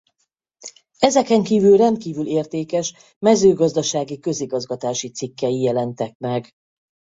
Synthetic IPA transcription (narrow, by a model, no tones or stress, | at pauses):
ɛzɛkɛŋkiːvylrɛnt̪̚kiːvyleːrt̪eːkɛʃ | mɛzøːɡɒzd̪ɒʃaːɡikø̞ziɡɒzɡɒt̪aːʃit̪sikːɛjijɛlɛnt̪ɛk̚mɛɡ